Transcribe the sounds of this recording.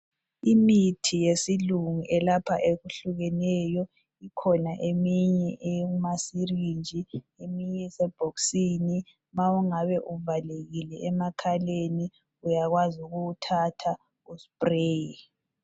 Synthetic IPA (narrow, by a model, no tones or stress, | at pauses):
imitʰijesiluŋuʔɛlapʰa̰ʔeɣuɬuɣɛnɛjɔ | ikʰɔnaʔemiɲɛʔɛumasirind͡ʒʱi | emiɲɛsɛb̥ʱoksini | mauŋaβɛʔuvaleɣilɛʔɛmakʰaleni | ujaɣwazuɣuutʰatʰa | uspʼreːi